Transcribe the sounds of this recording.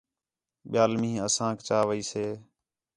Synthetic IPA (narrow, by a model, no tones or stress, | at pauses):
ɓɪjaːlmĩːəsãːkt͡ʃaːʋəiːseː